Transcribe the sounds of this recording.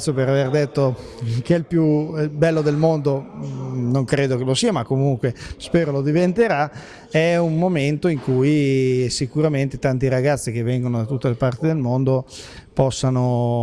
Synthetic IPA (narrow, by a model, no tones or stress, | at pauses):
sjopeɾaverd̪et̪ːo | k̟ɛilpjubɛlːod̪elmond̪o | noŋkɾeːd̪okelosiːamakːomuŋkwespeːɾolod̪ivent̪eɾa | ɛummːoment̪oiŋkujsikuɾament̪et̪ant̪iɾaɡat̪sːik̟evːɛŋɡonod̪at̪ut̪ːelepart̪id̪elmond̪opɔsːano